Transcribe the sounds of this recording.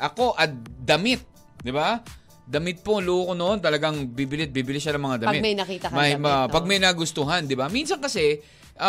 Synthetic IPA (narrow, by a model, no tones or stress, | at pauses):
ʔɐko̞ʔɐt̪̚d̪ɐmɪt̪̚ | d̪ɪba | d̪ɐmɪt̪̚poluːkonoʔo̞nt̪ɐlɐɡaŋbiːbɪlɪt̪̚biːbɪlɪʃanɐŋmɐŋad̪ɐmɪtmɐjnɐkiːt̪ɐɐmɐmɐpɐɡ̚mɐjnaɡʊst̪ʊɦɐnd̪ɪbaminsɐnkɐsɛ | ʔɐ